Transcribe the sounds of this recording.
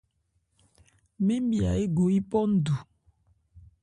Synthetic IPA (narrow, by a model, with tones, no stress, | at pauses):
mi˦m˦bja̰˨e˦ɡo˨i˦pɔ˦n̩˦du˨